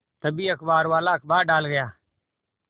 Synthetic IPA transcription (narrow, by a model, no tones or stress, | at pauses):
t̪əbiːəkʰbaːɾʋaːlaːəkbaːɖaːlɡəjaː